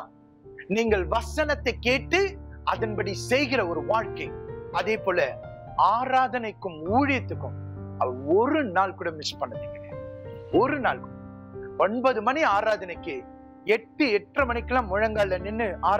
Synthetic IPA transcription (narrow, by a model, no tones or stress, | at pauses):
niːŋɡɐɭʋɐsɐnɐt̪ːɐɪkːeːʈːɯɐðɐnbɐɽisɛjɣɪrɐɔɾɯʋaːɻkɐɪɐðeːpoːlɐ | aːɾaːðɐnɐɪkːɯmuːɻɪjɐt̪ːɯkːɯ̃mɐɐɔɾɯnaːɭkɯɽɐmɪspɐnːɐt̪ːɯkːɐɾeɔɾɯnaːɭkɯːɽɐ | ɔnbɐðɯmɐniaːɾaːðɐnɐɪkːɯ | ɛʈːɯɛʈrɐmɐnɪkːɯlãːmʊɻɐŋɡaːɭːɐnɪnːɯʔaːɾ